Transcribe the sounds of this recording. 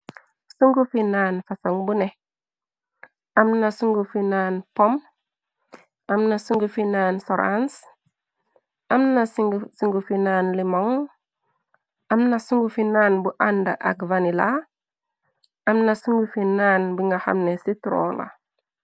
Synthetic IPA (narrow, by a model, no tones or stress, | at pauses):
suŋɡufinaːnfasaŋbune | amnasuŋɡufinanpom | amnasuŋɡufinaːnsoɾa̰ns | amnasuŋɡufinaːnlimoŋ | amnasuŋɡufinaːnbuʔandaʔa̰ɡvanila | amnasuŋɡufinaːnbiŋɡaha̰mnesitɾo̰la̰